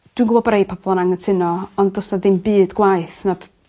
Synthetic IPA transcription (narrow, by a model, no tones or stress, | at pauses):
d̥wɪnɡʊbɔbɾejpʰɔbɔlˠɔnaŋətʰɪnɔɔndɔsaðɪmbɨːdɡwajθnab